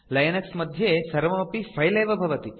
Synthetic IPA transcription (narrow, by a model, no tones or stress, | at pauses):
lɐjɐnɐksmɐd̪ʱjesɐɾʋɐmɐpifʰɐjleːʋɐbʱɐʋɐt̪i